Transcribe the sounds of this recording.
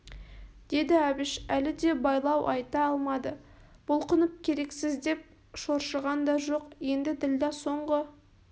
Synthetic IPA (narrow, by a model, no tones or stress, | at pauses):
d̪̥e̞d̪ɪɑbɪʃælɪd̪e̞bɑjlˠɑwʔɑ̰jt̪ɑɑlˠmɑd̪ə | b̥ʊlˠqʰənəp̚kʲʰe̞ɾe̞ksɪzd̪e̞p̚ | ʃo̞ɾʃəʁɑnd̪ɑʒo̞qje̞nd̪ɪd̪ɪld̪ɑso̞ɴʁə